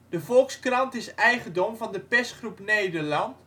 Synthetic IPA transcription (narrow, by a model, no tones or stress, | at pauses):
d̥əvɔlˠkskrɑntɪsɛjχəndomvɑndəpɛstχrupneːdəɹlɑnt